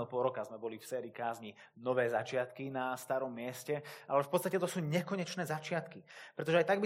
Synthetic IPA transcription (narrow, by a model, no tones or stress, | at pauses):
lpɔɾɔkazmɛbɔlifsɛːɾiːkaːzɲi | nɔʋɛːzat͡ʃɪat̪kinast̪aɾɔmːɪɛscɛalɛfpɔt̪st̪acɛt̪ɔsuːɲɛkɔɲɛt͡ʃnɛːzat͡ʃɪat̪kipɾɛt̪ɔʒɛajt̪aɡ̚bi